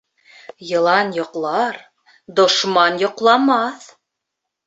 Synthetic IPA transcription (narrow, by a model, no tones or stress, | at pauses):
jɤ̆lˠɑnjŏqlˠɑɾ | d̪ŏʃmɑnjŏqlˠɑmɑθ